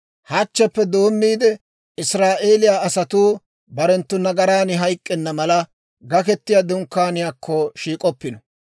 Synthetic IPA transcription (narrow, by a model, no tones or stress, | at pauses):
hɐt͡ʃːɛpːɛd̪o̞ːmːiːd̪ɛ | ɪsɾaːʔe̞ːlɪjaːɐsɐt̪uː | bɐɾɛnt̪ːʊnɐɡɐɾaːnɪɦɐjkʼːɛnːɐmɐlɐ | ɡɐkɛt̪ːɪjaːd̪ʊŋkːaːnɪjaːkʰːɔʃiːkʼɔpːɪnɔ